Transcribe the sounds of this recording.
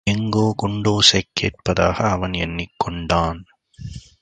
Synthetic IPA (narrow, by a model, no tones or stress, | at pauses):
ɛŋɡoːkʊɳɖoːsɐkːḛːʈ̚pɐðaːɣɐːʋɐnɛnːɪkːɔɳɖaːn